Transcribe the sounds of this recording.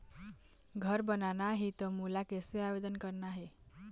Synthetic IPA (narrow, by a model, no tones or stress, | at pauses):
ɡʱəɾbənanaɦit̪əmulakeseaʋed̪ənkəɾnaɦe